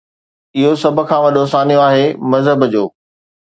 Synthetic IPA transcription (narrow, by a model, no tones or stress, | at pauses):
ɪɦosɐb̆ʱkʰãːʋɐɗoːsaːnijoaːɦemɐzɦəbd͡ʑoː